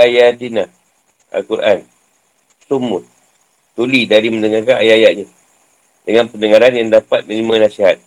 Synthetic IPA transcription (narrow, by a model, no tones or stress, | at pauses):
ajadinah | a̰lkuɾʔa̰n | sumʊ | t̪ulidaɾimənəŋarkanajaajaʔ̚ɲa | dəŋanpənəŋaɾanjaŋdapat̪̚mənimanasiɦat̪̚